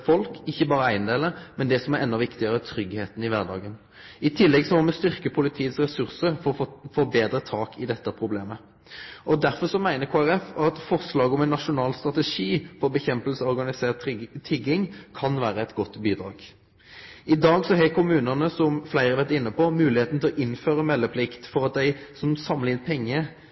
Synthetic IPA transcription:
fɔlkɪçːəbɑːɾəæɪnd̪eːləmɛnd̪ɛsɔmæʁʔɛnːɔʋɪkt̪ɪəʁət̪ʰʁʏɡheːt̪n̩ɪʋæʁd̪ɑ̰ːɡən | ɪt̪ʰɪlːɛɡsɔmɔmɛst̪ʏʁkəpʰʊlɪt̪ʰiːət̪sʁɛsʉʁsəɾfɔʁfoːbeːd̪ɾət̪ʰɑːkʰɪd̪ɛt̪ːəpʰʁʊbleːmə | ʔɔd̪æɾfɔʁsɔmæɪnəkʰoːæʁɛfɑt̪fɔʁslɑːɡɔmɛnːɑʂʊnɑːlst̪ʁɑt̪ɛʂiːfɔbəçɛmpəlsəɔʁɡɑnɪseːʁt̪t̪ʰːɪɡɪŋkʰɑnʋæːɾəɛt̪ɡɔt̪ːbiːd̪ɾɑ̰ːɡ̥ | ɪd̪ɑːɡsɔɦɛkʰʊmʉːnənəsɔmflæɪʁəʋɛt̪ɪnːəpɔmʉːlɪheːt̪n̩t̪ɪlɔʔɪnføːʁəmɛlːəpʰlɪkt̪fɔʁɑt̪̚d̪æɪsɔmsɑmlɪnpʰɛŋːə

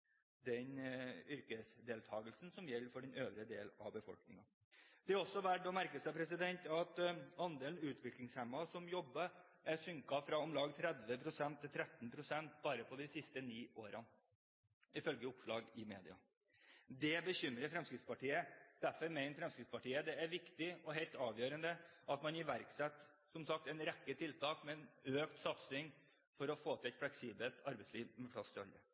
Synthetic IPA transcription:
d̪ɛnʏɾkəsd̪eːlt̪ʰɑːɡəlsn̩sɔmjɛlːfɔɖɛnøːʋɾəd̪eːlɑʋbəfɔ̰lknɪŋɑ | d̪̥ɛæɾɔsːɔʋæʈːɔmæɾkəsɛpʰɾɛsɪd̪ɛnt̪ɑt̪ɑnd̪eːln̩ʉːt̪ʰʋɪklɪŋshɛmːɑsɔmjɔbːə | ʔæɾsʏŋkɑfɾɑɔmlɑːɡt̪ʰɾɛd̪ʋəpʰɾʊsɛnt̪ʰːɪlt̪ʰɾɛt̪n̩pʰɾʊsɛnt̪bɑːɾəpʰɔd̪ɪsɪst̪əniːʔoːɾɑn | ɪfœlɡəʊpʂɭɑːɡɪmḛːd̪ɪɑ̰ | d̪ɛbəçʏmɾəɾfɾɛmskɾɪt̪spɑʈiːəd̪̥æɾfɔɾmɛɪnəfɾɛmskɾɪt̪spɑʈiːəd̪ɛæɾʋɪkt̪ɪɔɦɛɪt̪ɑːʋjøːɾənd̪əʔɑt̪mɑnɪʋæɾksɛt̪ː | sɔmsɑkt̪ɛɪnɾɛkːət̪ʰɪlt̪ʰɑːkmɛɛnøːkt̪sɑt̪sɪŋ | fɔɾɔfoːt̪ʰɪɛt̪flɛksiːbəlt̪ʰɑɾbɛɪtsliːʋmɛpʰlɑst̪ʰɪlɑ̰lːə

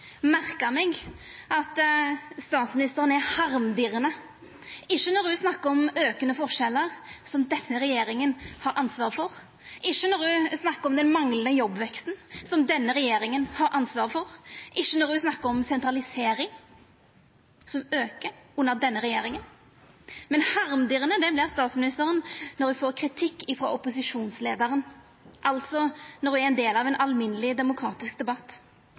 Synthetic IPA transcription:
mæɾkəmɛɡɑt̪st̪ɑːt̪smɪnɪst̪əɾənæɾhɑɾmd̪ɪɾənə | ɪʃːənɔɾd̪ʉsnɑkːəɾɔmøːkənəfɔʂɛlːəɾsɔmd̪ɛsːəɾɛjeːɾɪŋənhɑɾʔɑnsʋɑːɾfɔɾ | ʔɪʃːənɔɾd̪ʉsnɑkːəɾɔmd̪ɛnmɑŋlənəjɔbʋɛkst̪nsɔmd̪ɛnːəɾɛjeːɾɪŋənhɑɾʔɑnsʋɑːɾfɔɾʔɪʃːənɔɾd̪ʉsnɑkːəɾɔmsɛnt̪ɾɑlɪseːɾɪŋ | sɔmøːkəʔʉnːəʁd̪ɛnːəʁɛjeːɾɪŋən | mɛnhɑʁmd̪ɪːʁənəd̪ɛblɪʁst̪ɑːt̪smɪnɪst̪əɾənnɔɾd̪ʉfoːʁkʰɾɪt̪ʰɪkːɪfɾɔʔɔpʊsɪʂuːnslḛːd̪əɾən | ʔɑlt̪sɔnɔɾd̪ʉæɾɛnd̪eːlɑʋɛnʔɑlmɪnəlɪd̪ɛmʊkʰɾɑːt̪ɪskd̪ɛbɑt̪ː

